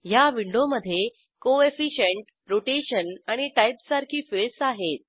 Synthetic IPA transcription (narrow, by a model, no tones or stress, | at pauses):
jaʋiɳɖoməd̪ʱːje | koefiɕeɳʈ | ɾoʈeɕənaɽ̃iʈajpsaɾkʰiːfeɭsaɦet̪̚